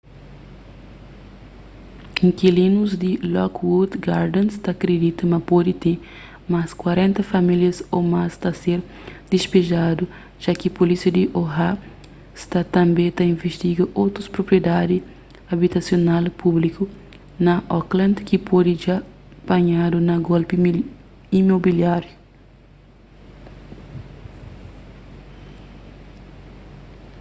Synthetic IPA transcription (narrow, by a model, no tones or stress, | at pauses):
ĩŋkilĩnuzd̪ilɔkwud̪ɡaɾd̪ẽnst̪akɾed̪it̪ɐmɐpod̪it̪ẽ | maskwaɾẽnt̪ɐfɐmiljɐsomast̪aseɾ | d̪̥ispeʒad̪u | ʒ̥akipolisiɐd̪iʔoɦa | st̪at̪ɐ̃mbẽt̪ɐĩnveʃt̪iɡɐʔowt̪ɾuspɾopɾied̪ad̪i | abit̪asjonalpʰubliku | nɐʔɔklɐ̃nd̪kipʰod̪iʒa | baɲad̪unɐɡolpi | imobiljaɾju